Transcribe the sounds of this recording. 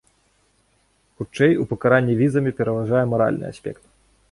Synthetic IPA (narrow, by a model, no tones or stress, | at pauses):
xut͡ʂɛjupɐkaɾanʲːivʲizɐmʲipʲɛɾɐvaʐajɛmaɾa̰lʲnɨ̰a̰sʲpʲɛ̰kt̪̚